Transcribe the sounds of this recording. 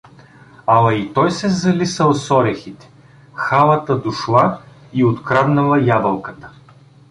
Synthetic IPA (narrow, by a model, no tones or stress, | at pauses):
amɐit̪ɔjsɛzɐlisəlˠsɔɾɛxit̪ɛ̥ | xalˠɐt̪əd̪ʊʃlˠa | iot̪kɾad̪nɐlˠɐjabɐlˠkət̪ə̥